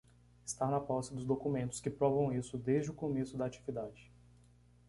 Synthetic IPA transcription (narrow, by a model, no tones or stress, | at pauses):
ɪst̪aɾnɐpɔsɪd̪ʊzd̪okumẽnt̪ʊskɪpɾɔvɐ̃w̃isʊd̪ejzd͡ʒɪʊkõmesʊd̪aat͡ʃivid̪ad͡ʒɪ